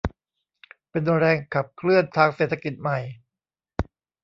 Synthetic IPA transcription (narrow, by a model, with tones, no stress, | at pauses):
pe˧ndu˧nɾɛː˧ŋkʰa˨˩p̚kʰlɯ˥˩ənt̪ʰaː˧ŋseː˨˩t̪ʰːa˧ki˨˩t̪̚ma˨˩j